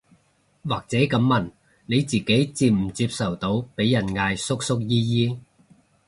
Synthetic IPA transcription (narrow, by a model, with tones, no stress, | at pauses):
waː˨k̚t͡sɛː˨˥kɐ˨˥mːɐ˨˩n | ne˨˧jt͡siː˨ke˨˥jt͡siː˧p̚m̩˨˩t͡siː˧p̚sɐ˨˩wt̪o˧wpe˨˥jːɐ˨˩nŋaː˧jsʊ˥k̚sʊ˥k̚jiː˥jiː˥